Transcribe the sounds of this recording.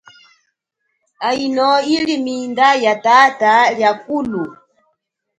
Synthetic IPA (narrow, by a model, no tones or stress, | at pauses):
ainɔilimindajatataljakulu